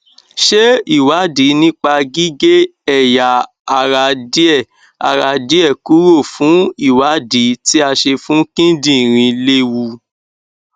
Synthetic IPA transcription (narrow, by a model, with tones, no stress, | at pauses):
ʃe˦i˦˨wa˨˦di˨˦nĩ˦k͡pa˧ɡi˦ɡe˦ɛ˦˨ja˨ | a˨ɾa˧di˦ɛ˦˨ | a̰˨ɾa˧di˦ɛ˦˨ku˨˦ɾo˦˨fũ˨˦i˦˨wa˨˦di˨˦ti˦a˧ʃe˧fũ˦kĩ˦dĩ˦˨ɾ̃ĩ˧le˦wu˧